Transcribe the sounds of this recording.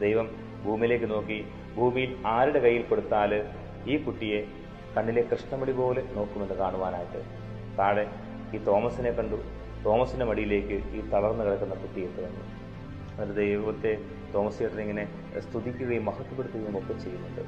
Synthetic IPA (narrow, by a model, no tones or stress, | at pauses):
d̪ejʋɐm | bʱuːmile̞ːkːɨno̞ːkːi | bʱuːmijilaːɾiɽe̞kɐjːilko̞ɽut̪ːaːlɨ | iːkuʈːije̞ | kɐɳːile̞krɨʂɳɐmɐɽipo̞ːle̞no̞ːkːume̞nːɨkaːɳuʋaːnaːjiʈːɨ̰ | t̪aːɽe | iːt̪o̞ːmɐsine̞kːɐɳɖu | t̪o̞ːmɐsinɐmɐɽijile̞ːkʲːɨiːt̪ɐlɐrnːɨkɐɭɐkːunːɐkuʈːijet̪ːɨʋɐnːṵ | ɐɾud̪ejʋʋɐt̪ːe̞ | t̪o̞ːmɐsijeʈːineŋːɐne̞ | st̪ʰuðikʲːuɣɐjimːɐhɐt̪ːupːeɽut̪ːuɣɐumokːɐt͡ɕe̞jːunːuɳɖɨ